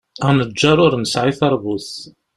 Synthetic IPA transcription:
ænəd͡ʒːaɾʊɾnsʕiθɑɾˤbuθ

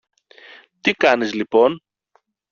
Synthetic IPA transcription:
t̪ikɐnizlipo̞n

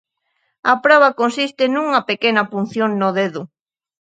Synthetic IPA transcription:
ɐpɾɔβ̞ɐkonsist̪ɪnuŋɐpekenɐpun̟θjonnoðeðʊ

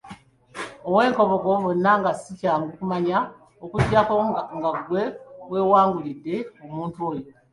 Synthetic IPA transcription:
owe̞ːŋko̞βoɡo̞βonːaŋɡasicaːŋɡukumaɲa | okuɟakoŋɡaɡwe̞we̞ːwaːŋɡulidːe̞omuːntuo̞ːjo

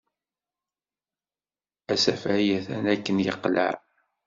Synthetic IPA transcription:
æsæfʕjæθænækːənjəqːlə̰ʕ

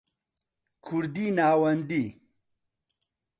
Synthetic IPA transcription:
kʰuɾd̪inaːwɐnd̪i

